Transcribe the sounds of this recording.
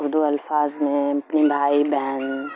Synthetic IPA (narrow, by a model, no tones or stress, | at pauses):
ʊɾd̪uɐlfaːzmẽɐpnibʱaːibɛɦan